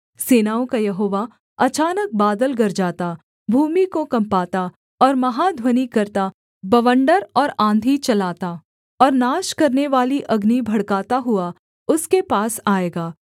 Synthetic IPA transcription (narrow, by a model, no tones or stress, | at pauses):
seːnaːõkajɐɦoːʋa | ɐt͡ʃaːnək̚baːd̪əlɡɐɾd͡ʒaːt̪a | bʱuːmikokɐ̃mpaːt̪a | ɔːɾmɐɦad̪ʱwɐnikɐɾt̪a | bɐʋə̃ɳɖəɾɔːɾãːnd̪ʱit͡ʃɐlaːt̪a | ɔːɾnaːʃkɐɾneʋaːliʔɐɡnibʱɐɽkaːt̪aɦʊa | ʊskepaːsaːeːɡaː